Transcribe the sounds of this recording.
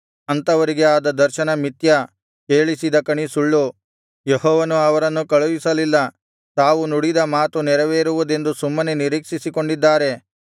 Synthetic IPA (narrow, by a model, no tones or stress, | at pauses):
ɐnt̪ɐʋɐɾiɡe̞aːd̪ɐd̪ɐɾʃɐnɐmit̪jɐ | keːɭisid̪ɐkɐɳisuɭːu | jeɦɔːʋɐnuɐʋɐɾɐnːukɐɭuʋisɐlilːɐ | t̪aːʋunuɽid̪ɐmaːt̪unɛɾɐʋeːɾuʋud̪e̞nd̪usumːɐneniɾiːkʂisiko̞ɳɖid̪ːaːɾe̞